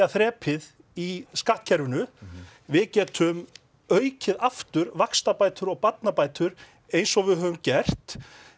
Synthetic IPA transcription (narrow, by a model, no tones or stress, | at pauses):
aθɾɛːpʰɪð | iskaht̪̚cʰɛɾvʏnʏ | vɪðcɛːt̪ʰʏm | œːɥcʰɪðaft̪ʏɾvakst̪apaːjt̪ʏɾɔɣpat̪̚napaːjt̪ʏɾ | ejnsɔɣvɪðɦœːvʏmcɛr̥t̪